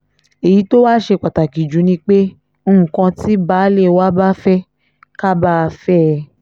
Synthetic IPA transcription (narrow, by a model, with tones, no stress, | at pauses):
e˨ji˨˦to˦wa˦ʃe˧˨k͡pa˨ta˨ki˨d͡ʒũ˨˦nĩ˧˦k͡pe˦ | o˦˧ũ˨kã˧ti˦baː˨˦le˦˨wa˦ba˦fɛ˦ | ka˦ba˦˧fɛ˦˧